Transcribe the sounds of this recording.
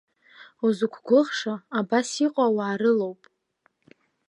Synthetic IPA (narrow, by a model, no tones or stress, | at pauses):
uzukʷʰɡʷʊʁʂaabasiqʷʼawaːɾɨlowpʼ